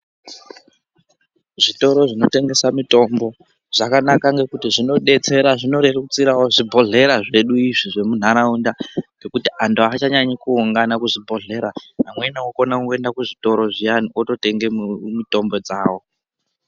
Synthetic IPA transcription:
ʐito̞ɾo̞ʐino̞te̞ŋɡe̞samito̞mbo̞ | ʐ̥akanakaŋɡe̞kutiʐino̞ɗe̞t͡se̞ɾaʐino̞ɾerukut͡siɾawoʐibʱo̞ɮe̞ɾaʐe̞ɗuiʐiʐe̞mun̤aɾaundaŋɡe̞kutiantuat͡ʃaɲaɲikuuŋɡanakuʐibʱo̞ɮe̞ɾaɦamwenawoko̞nakuŋɡoe̞ndakuʐito̞ɾo̞ʐijanioto̞te̞ŋɡemito̞mbo̞d͡zaːwo̞

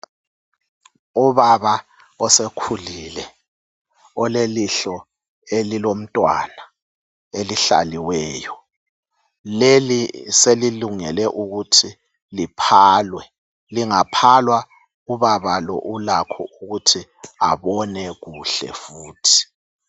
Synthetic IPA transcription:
uβaβa | ɔsekʰulilɛ | ɔleliɬɔ | elilom̩tʼwa̰na | eliɬa̰liwɛːjɔ | leliseliluŋɛlɛʔuɣutʰi | lipʰaːlwɛ | liŋapʰalwa | uβaβalɔ̰ʔulakʰɔ̰uɣutʰia̰βɔnɛɣuɬɛ̰fuːtʰi̥

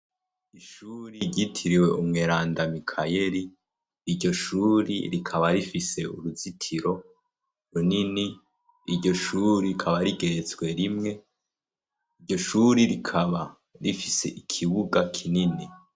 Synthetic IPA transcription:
iʃuːɾiɾɟitʰiɾiwe̞ʔumŋeːɾaːndamikʰaje̞ɾiː | ɾɟo̞ʃuɾḭɾikʰaβaɾifise̞ṵɾuzitʰiɾo̞ | ɾunini | iɾɟo̞ʃuɾikʰaβaɾiɡe̞ɾet͡sɡwe̞ɾimŋe̞ | iɾɟo̞ʃuɾiɾikʰaβa | ɾifise̞̰ʔikʰiβuɡakʰinini

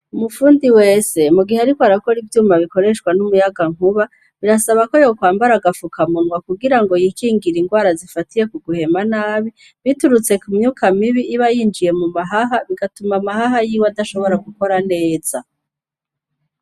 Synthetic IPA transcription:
umufuːndiwe̞ːse̞muɡiheaɾikoaɾako̞ɾivjuːmaβiko̞ɾe̞ʃwanumujaɡaŋ̥uβa | βiɾasaβako̞jokwaːmbaɾaɡafukʰamunwakuɡiɾaŋɡo̞jiːkiːŋɡiɾiŋɡwaːɾazifatije̞kuɡuhe̞manaːβi | βituɾut͡se̞kumɲuːkʰamiβiʔːβajiːnd͡ʒije̞mumaɦaɦaβiɡatumamahaɦajiːwadaʃo̞βo̞ɾaɡuko̞ɾane̞ːz̥a

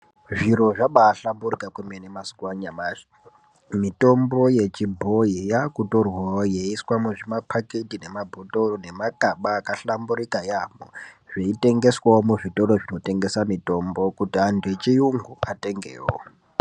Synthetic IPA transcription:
ʐiɾo̞ʐaɓaːɬambuɾikakwemenemaskwaɲamaʐi | mito̞mbo̞je̞t͡ʃibʱo̞ijakutorwawojeiswamuʐimapʰaketine̞mabʱotoone̞makʼaɓaːkaɬambuɾikajamoʐ̥eite̞ŋɡe̞swawomuʐito̞ɾoʐino̞te̞ŋɡe̞samito̞mbo̞kutiandet͡ʃijuŋɡuʔatʼe̞ŋɡḛːwo̰

